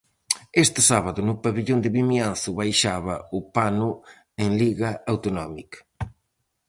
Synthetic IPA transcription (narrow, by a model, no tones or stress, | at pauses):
est̪ɪsaβaðʊnʊpaβiʎond̪ɪβimianθʊβajʃaβɐʊpanʊ | eŋliɣɐawt̪onɔmik